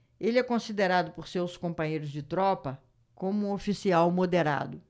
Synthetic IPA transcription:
elɪɛkõsid̪eɾad̪ʊpoɾsewskõmpɐ̃ɲejɾʊzd͡ʒɪt̪ɾɔpɐ | kõmʊũofisiawmod̪eɾa̰d̪ʊ

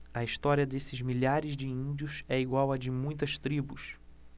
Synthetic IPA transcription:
ɐiʃt̪ɔɾiɐd̪esɪzmiʎaɾɪzd͡ʒɪĩĩnd͡ʒiʊsɛiɡwawɐd͡ʒɪmũj̃t̪ɐʃt̪ɾibʊs

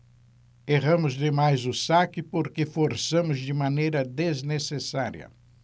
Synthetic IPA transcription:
eʁɐ̃mʊzd̪ɪmajzʊsakɪpoɾkɪfoɾsɐ̃mʊzdɪmɐ̃nejɾɐd̪eznesesaɾjɐ̰

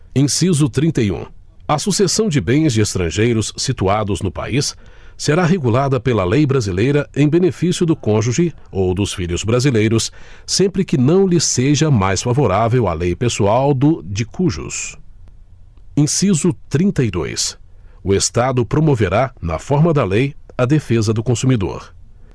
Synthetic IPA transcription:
ẽj̃sizʊt̪ɾĩnt̪ɐjṵ̃ | ɐsusesɐ̃w̃d͡ʒɪbẽj̃zd͡ʒɪest̪ɾɐ̃ʒejɾʊsːit̪uad̪ʊznʊpa̰isː | eɾaɦeɡulad̪ɐpelɐlejbɾazilejɾɐẽj̃benefisjʊd̪ʊkõʒuʒɪ | owd̪ʊsfiʎʊzbɾazilejɾʊsː | ẽmpɾɪkɪnɐ̃w̃lɪseʒɐmajsfavoɾavewa̰lejpesuawd̪ʊd͡ʒɪkuʒʊ̰s | ẽsizʊt̪ɾĩnt̪ɐid̪o̰jsʊest̪ad̪ʊpɾomoveɾanɐ̰fɔɾmɐd̪ɐlejɐd̪efezɐd̪ʊkõsumid̪o̰ɾ

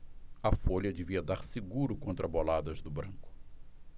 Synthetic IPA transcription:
ɐfoʎɐd͡ʒeviɐd̪aɾsɪɡuɾʊkõnt̪ɾɐbolad̪ɐzd̪ʊbɾɐ̃kʊ̥

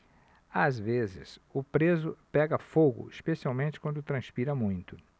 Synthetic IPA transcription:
azvezɪ̰sʊpɾezʊpɛɡɐfoɡʊ̰ispesiawmẽnt͡ʃɪ̥kwɐ̃nd̪ʊt̪ɾɐ̃spiɾɐmũj̃t̪ʊ

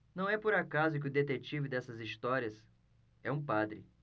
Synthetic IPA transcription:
nɐ̃w̃ɛpoɾakazʊk̬ɪʊd̪et̪et͡ʃivɪd̪ɛsɐzist̪ɔɾiɐs | ɛũpad̪ɾɪ̰

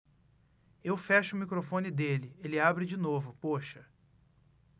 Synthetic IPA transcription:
ewfɛʃɐʊmikɾofõnɪd̪elɪelɪabɾɪd͡ʒinovʊpoʃɐ

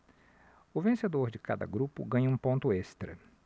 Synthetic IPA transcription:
ʊvẽsed̪oɾd͡ʒɪka̰d̪ɐ̰ɡɾupʊ̰ɡɐ̃ɲɐũpõnt̪ʊest̪ɾɐ̰

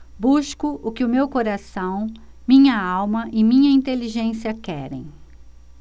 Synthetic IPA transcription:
buskʊʔʊkɪʊmewkoɾasɐ̃w̃mĩɲɐawmɐʔɪmĩɲɐĩnt̪eliʒẽsiɐkɛ̰ɾḛ̃j̃

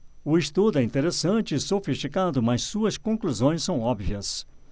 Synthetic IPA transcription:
ʊist̪ud̪ʊɛĩnt̪eɾesɐ̃t͡ʃɪsofist͡ʃikad̪ʊmɐssuɐskõkluzõj̃sːɐ̃w̃ɔbviɐs

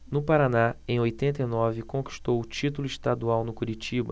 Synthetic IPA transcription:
nʊpaɾanaẽj̃ojt̪ẽnt̪ɐinɔvɪkõki̥ʃt̪owʊt͡ʃit̪ulʊiʃt̪ad̪uawnʊkuɾit͡ʃibɐ̰

